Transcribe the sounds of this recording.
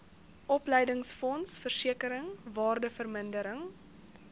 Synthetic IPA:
ʔɔplɛjdəŋsfɔnsfərsiəkəɾəŋvɑːrdəfərməndəɾəŋ

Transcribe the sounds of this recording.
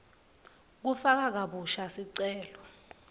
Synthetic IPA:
k̬ufak̬ak̬aɓuʃasiǀɛːlɔ

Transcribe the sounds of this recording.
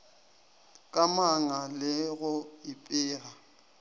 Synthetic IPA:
kʼamaŋalɪɣʊɪpʼɪːra

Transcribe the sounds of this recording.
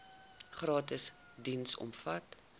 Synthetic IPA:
χɾɑːtəs | dinsɔ̰mfɐt

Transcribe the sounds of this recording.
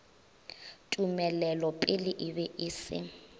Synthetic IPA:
tʼumɛlɛlɔpʼɪlɪʔɪbɛʔɪːsɪ̰

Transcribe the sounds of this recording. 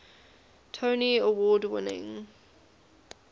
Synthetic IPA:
tʰəʊniəwɔːdwɪ̰nɪ̰̃ŋ

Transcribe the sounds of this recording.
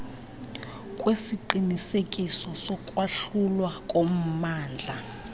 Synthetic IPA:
kʼwesiǃinisekʼisɔsɔkʼwaɬulwakʼom̩maːnd͡ɮʱa

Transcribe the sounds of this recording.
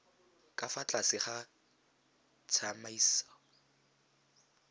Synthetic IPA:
kʼafat͡ɬʼasɪχa | t͡sʰamaiːsɔ̥

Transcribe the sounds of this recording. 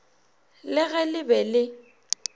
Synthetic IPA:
lɪɣɛlɪbɛlɪ

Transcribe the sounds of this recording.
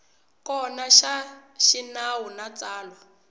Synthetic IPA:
kɔnaʃa | ʃinawunat͡saːlwa

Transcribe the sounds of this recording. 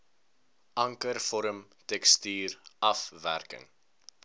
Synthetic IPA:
ʔɐŋkərfɔɾəmtɛkstyːrʔɐfvæ̰rkə̰ŋ

